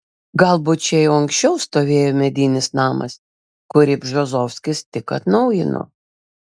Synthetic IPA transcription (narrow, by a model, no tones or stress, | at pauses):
ɡɐlˠbʊt͡ʃʲɛjɛʊɐŋksʲt͡ʃʲɛʊst̪oːʋʲeːjoːmʲɛd̪ʲiːnʲɪsnɑːmɐ̰s | kʊɾʲɪbʲʒozɔwʲsʲkʲɪst̪ʲɪkɐt̪nɐʊjɪno̰